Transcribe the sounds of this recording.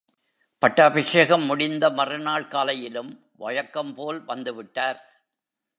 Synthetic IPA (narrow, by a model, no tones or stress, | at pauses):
pɐʈːaːbɪʂeːɣɐmːʊɽɪnd̪ɐmɐrɯnaːɭkaːlɐjɪlɯm | ʋɐ̰jɐkːɐmpoːlʋɐnd̪ɯʋɪʈːaːɾ